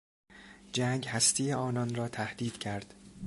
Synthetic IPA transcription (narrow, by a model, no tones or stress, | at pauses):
d͡ʒæŋɡhæst̪ʰiːeɒːnɒnrɒːt̪ʰæhd̪iːd̪̥cʰæɾd̪̥